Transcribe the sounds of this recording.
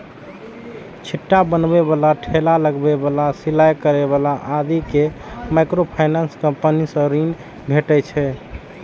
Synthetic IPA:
t͡ʃʰiʈːabənbeβalaʈʰelaləɡbebalasilajkəɾeβalaʔad̪ikemajkɾopʰajnanskəmpənisə̃ɾin | bʱeʈɛt͡ʃʰɛ

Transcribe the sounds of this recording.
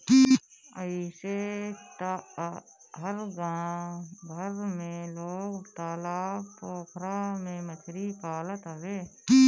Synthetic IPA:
kiəɪset̪a | ɦəɾɡãːbʱəɾmẽloːɡt̪aːlaːpoːkʰɾamẽmət͡ʃʰɾipaːlət̪əɡeːi

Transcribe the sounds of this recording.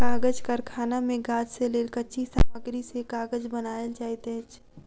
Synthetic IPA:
kaːɡəd͡ʒkəɾkʰaːnamẽɡaːd͡ʒseleːlkət͡ʃisa̰ːməɡɾisekaːɡəd͡ʒbɐnaːjəld͡ʒaːit̪ẽːt͡ʃ

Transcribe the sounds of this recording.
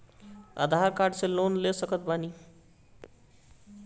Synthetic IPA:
a̰d̪ʱaɾkaɖselonlesʌkʌt̪̚bani

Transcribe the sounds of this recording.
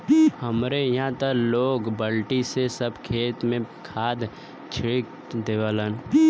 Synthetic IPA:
həmɾejɐɦãt̪əloːɡbəlʈisesəbkʰeːt̪mẽkʰaːd̪ | t͡ʃʰɪk̚ | d̪eːʋalən

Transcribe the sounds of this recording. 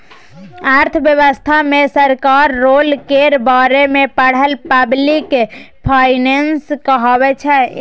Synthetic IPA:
aɾt̪ʰəʋjəʋəst̪ʰamesəɾkaɾːolkeɾbaɾemepəɽ̤əlpəblik | pʰajnenskəɦəbɛt͡ʃʰɛ

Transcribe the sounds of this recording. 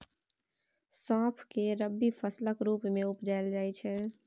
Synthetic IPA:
sãːpʰkeɾəbːipʰəsləkɾuːpmẽʊpd͡ʒaɪld͡ʒaːjt͡ʃʰɛ

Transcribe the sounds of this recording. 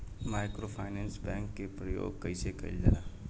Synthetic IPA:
maːɪkɾopʰaːɪnɛ̃ːnsbɛ̃ːŋkːepɾəjo̰ːɡ̚kəisekɐḭld͡ʒa̰ɾaː

